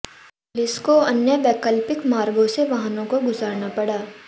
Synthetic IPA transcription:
lɪskoɐnjəʋɛːkəlpɪkmaːɾɡõseʋɐɦənõkoɡʊzaːɾnapɐɽaː

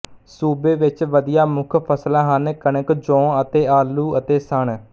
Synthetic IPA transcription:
suːbeːʋɪt͡ʃʋəd̪ɪjaːmʊkʰpʰəslãːɦənkənəkd͡ʒɔ̃ːət̪eːaːluːət̪eːsəɳ

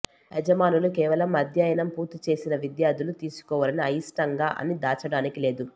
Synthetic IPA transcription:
ɛd͡ʒɐmaːnulukɛːʋɐlɐmɐd̪ʱjaːjɐnɐmpuːɾt̪ːit͡ʃe̞ːsinɐʋid̪jaːɾd̪ʱulut̪iːsu̥kɔːʋɐlɐniɐjisʈɐŋɡaːʔɐ̰nid̪aːt͡ʃɐɽaːnikile̞ːd̪u

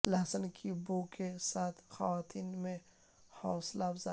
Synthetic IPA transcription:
lɐɦsənkʰibokesaːt̪ʰxawaːt̪ʰiːnmẽ | hɔːslaːbza

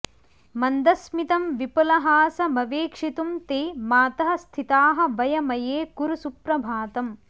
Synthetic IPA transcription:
mɐnd̪ɐsmit̪ɐmʋipɐlɐɦaːsɐmɐʋeːkʂit̪umt̪eːmaːt̪ɐɦɐ̆st̪ʰit̪aːɦɐ̆ʋɐjɐmɐjeːkuɾusupɾɐbʱaːt̪ɐm

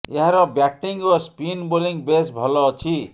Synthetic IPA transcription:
eɦãɾʌbjaʈːiŋospinboliŋbesbʱʌlɔt͡sʰi

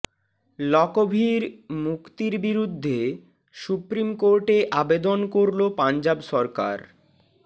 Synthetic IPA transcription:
lɔkobʱiɾmukt̪iɾbiɾud̪ʱːe | ʃupɾimkoɾʈeʔabed̪onkoɾlopand͡ʑabʃɔɾka̰ɾ

